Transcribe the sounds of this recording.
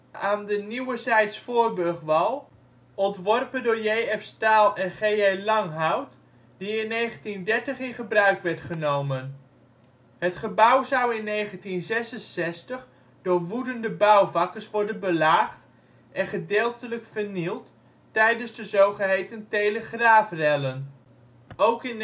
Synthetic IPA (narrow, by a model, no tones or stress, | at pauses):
aːndəniwəzɛjtsfʊːrbɵɹχʋɑlˠ | ɔntʋɔrpəndʊːɹjejɛfstaːlˠɛnχejelɑŋɦawt | d̥iɪnːejχəntindɛɹtəχɪnχəbrœɥkʋɛɹtχənowmən | ɦətχəbʌwzʌwɪnːejχəntinzɛsənsɛstəχ | dʊːɹʋudəndəbʌwvɑkəɹsʋɔɹdənbəlaːχt | ʔɛnχədeːlˠtələkfəɹnilˠtː | ɛjdənzdəzowχəɦejtəntejləχraːfrɛlən | owkɪn